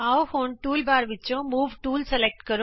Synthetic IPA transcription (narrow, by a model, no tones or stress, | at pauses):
aohoɳʈuːlbaɾʋit͡ɕõmuːʋʈuːlselek̚ʈkəɾo